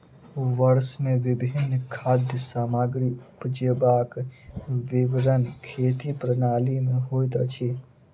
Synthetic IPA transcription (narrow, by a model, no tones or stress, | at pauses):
ʋəɾsmẽʋɪbʱinːkʰad̪jəsaːmaɡɾipd͡ʒebak | ʋiʋɾənkʰet̪ipɾənalimeɦojt̪ət͡ʃʰi